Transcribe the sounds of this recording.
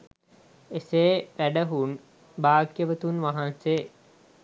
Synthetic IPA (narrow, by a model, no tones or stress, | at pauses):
eseːʋæɖəɦun | baːkjəʋət̪unʋaɦanse